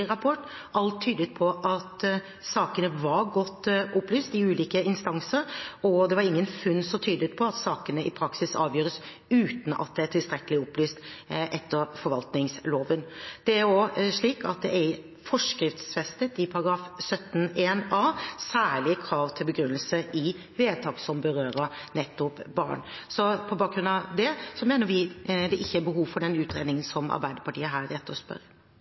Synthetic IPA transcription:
ɾɑpʰɔʈː | ʔɑlt̪ʰːyːd̪ət̪̚pʰɔʔɑt̪ | sɑːkənəʋɑɾɡɔt̪ːʔɔplyːst̪ɪʉːliːkəɪnst̪ɑŋsəɾɔd̪ɛʋɑɾɪŋːənfʉnsɔt̪ʰyːd̪ət̪̚pʰɔɑt̪sɑːkənəʔɪpʰɾɑksɪsɑ̰ːʋjøːɾəs | ʉːt̪n̩ʔɑ̰t̪̚d̪ɛæʈʰɪlst̪ɾɛkəlɪɔplyːst̪ʔɛt̪ʰːəɾfɔɾʋɑlt̪nɪŋsloːʋənd̪̥ɛæɾoʂɭiːkɑt̪̚d̪ɛʔæɾ | fɔʂkɾɪft̪sfɛst̪ət̪ɪpʰɑɾɑɡɾɑːfsœt̪ːn̩eːnɑːsæːɭɪkʰɾɑːʋt̪ʰɪlbəɡɾʉnːəlsəʔɪ | ʋeːt̪ʰɑːɡsɔmbəɾøːɾəɾnɛt̪ːʊpbɑ̰ːɳsɔpʰɔbɑːk̚ɡɾʉnɑd̪ɛsɔmeːnəɾʋɪd̪ɛʔɪçːəæbəɦuːʋfɔɖɛnʉːt̪ɾeːd̪nɪŋənsɔmɑ̰ɾbæɪd̪əpɑʈiːəɦæːɾɛt̪ːəɾɔspœ̰ɾ

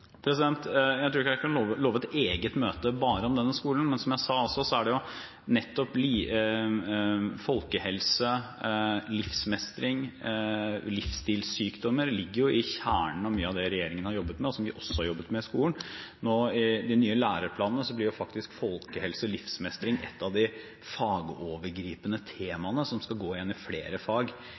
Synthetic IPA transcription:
pʰɾɛsɪd̪ɛnt̪jæɪt̪ɾuːɾɪkækʰɑnloːʋəloːʋəɛt̪eːɡət̪møːt̪əbɑːɾəɔmd̪ɛnːəskuːln̩mɛnsɔmjæsɑːɔsːɔsɔæɖɛjʊ | nɛt̪ːɔpliː | fɔlkəhɛlsə | lɪfsmɛst̪ɾɪŋ | lɪfst̪iːlsyːkd̪ɔmːəɾlɪɡːəɾjʊɪçæːɳəɳ̩ɔmyːəɑʋd̪ɛɾɛjeːɾɪŋənhɑɾjɔbːət̪mɛɔsɔmʋɪʔɔsːɔ̥hɑɾjɔbːət̪mɛɪskuːlənnoːɪd̪ɪnyːəlæːɾəɾpʰlɑːnənəsɔblɪɾjʊfɑkt̪ɪskfɔlkəhɛlsəlɪfsmɛst̪ɾɪŋɛ̰t̪ːɑʋd̪ɪ | fɑːɡoːʋəɾɡɾiːpənət̪ʰeːmɑnəsɔmskɑɡoːɪjɛnːɪfleːɾəfɑːɡ

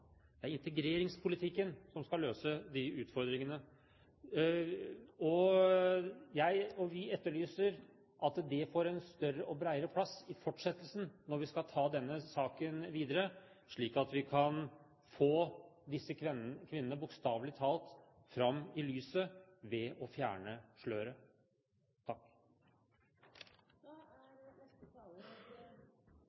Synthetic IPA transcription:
d̪̥ɛæɾɪnt̪əɡɾeːɾɪŋspʰʊlɪt̪ʰɪkːənsɔmskɑlːøːsəd̪ɪʉːt̪fɔɾd̪ɾɪŋənə | ɔ | jæɪɔʋɪɛt̪ːəɭyːsəɾ | ʔɑt̪d̪ɛfoɾɛnst̪œrəʔɔbɾæɪəɾəpʰlɑsɪfɔʈːʂɛt̪ːəlsn̩nɔɾʋɪskɑlt̪ʰɑːd̪ɛnːəsɑːkənʋiːd̪əɾə | ʂɭiːkɑt̪ʋɪkʰɑn | foːd̪ɪsːəkʰʋɪnənəbʊkst̪ɑːʋlɪt̪ʰɑːlt̪ | fɾɑmːɪlyːsəʋɛɔfjæ̰ːɳəʂɭøːɾə | t̪ʰɑkː

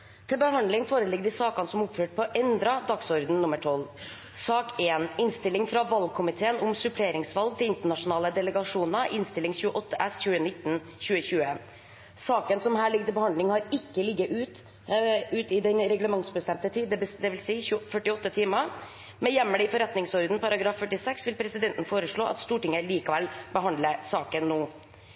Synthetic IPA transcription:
t̪ʰɪlbəɦɑnd̪lɪŋfoːɾəlɪɡ̚d̪ɪsɑːkɑnsɔmʊpføːʈ̚pʰɔʔɛnd̪ɾɑd̪ɑksɔɾd̪n̩nʊmːəʈʰɔl | sɑːkeːnɪnst̪ɪlːɪŋfɾɑʋɑlɡ̚kʰʊmɪt̪ʰeːənʊmsʉpʰleːɾɪŋsʋɑlɡ̚t̪ʰɪlɪnt̪əɳɑʂʊnɑːləd̪ɛləɡɑʂuːnɑʔɪnst̪ɪlːɪŋçʉːəʔɔt̪ʰːəʔæsçʉːənɪt̪ːn̩ | çʉːəçʉːə | sɑːkənsɔmhæːɭɪɡ̚t̪ɪbəhɑnd̪lɪŋhɑɾɪkːəlɪɡːəʔʉːt̪ | ʉːt̪ɪd̪ɛnɾɛɡləmɑŋsbəst̪ɛmt̪ət̪ʰiːd̪d̪ɛbd̪ɛʋɪlsiːfœʈɪɔt̪ːət̪ʰɪːmə | mɛjɛmːəlɪfɔɾɛt̪nɪŋsɔɾd̪n̩pɑɾɑɡɾɑːfːœʈɪsɛksʋɪlpʰɾɛsɪd̪ɛnt̪n̩foːɾəʂɭoːʔɑ̰t̪st̪uːʈɪŋːəliːkəʋɛlbəɦɑnd̪ləsɑːkənːoː

